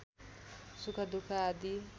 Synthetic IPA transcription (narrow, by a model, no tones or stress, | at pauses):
sukʰʌd̪ukʰaːd̪i